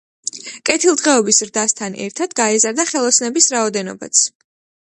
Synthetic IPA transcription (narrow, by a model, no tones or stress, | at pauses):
kʼɛt̪ʰilˠd̪ʁɛɔbisɾd̪ast̪ʰanɛ̰ɾt̪ʰad̪̥ɡaɛzaɾd̪aχɛlˠɔsnɛbisɾaɔd̪ɛnɔ̰ba̰t̪sʰ